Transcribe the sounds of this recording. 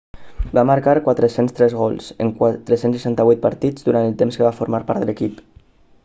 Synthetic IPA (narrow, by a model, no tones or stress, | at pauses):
baməɾkaɾkwat̪ɾəsenst̪ɾɛzɣɔlˠsə̰ŋkt̪ɾəsensəʃant̪əβujt̪̚pəɾt̪id͡zðuɾanəlˠt̪emskəβafoɾmaɾpaɾt̪ðələkip